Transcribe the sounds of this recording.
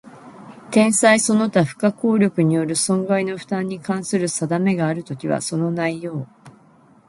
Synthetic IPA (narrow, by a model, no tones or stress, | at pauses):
t̪ẽ̞ɰ̃saiso̞no̞t̪aɸɯ̟̥kako̞ːɾʲo̞kɯ̟ɲ̟ijo̞ɾɯ̟sõ̞ŋɡaino̞ɸɯ̥t̪ãɲ̟ːikãɰ̃sɨɾɯ̟sad̪ame̞ɡaːɾɯ̟t̪o̞kʲiβa̰so̞no̞naijo̞ː